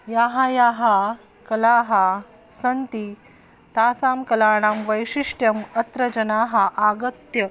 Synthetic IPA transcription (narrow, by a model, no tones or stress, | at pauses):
jaːɦajaɦa | kɐlaːɦa | sɐnt̪i | t̪aːsaːmkɐlaːɽ̃aːmʋɐjʂiʂʈjɐmɐt̪ɾɐd͡ʑɐnaːɦaʔaɡɐt̪jɐ